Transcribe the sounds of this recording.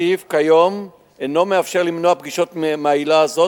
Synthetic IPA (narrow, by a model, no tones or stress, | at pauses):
ivkajo̞m | eno̞me̞afʃe̞ʁlimnoapɡiʃot̪mailaːzo̞